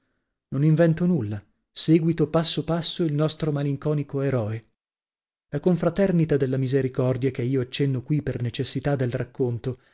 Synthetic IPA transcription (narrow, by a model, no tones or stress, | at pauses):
noniɱvɛnt̪onulːa | seːɡwit̪opasːopasːoilnɔst̪ɾomaliŋkɔːnikoeɾɔːe | ɛkoɱfɾat̪ɛrnit̪ad̪elːamizeɾikɔrd̪jakeiːoat͡ʃːɛnːokwipernet͡ʃesːit̪ad̪ːelrakːont̪o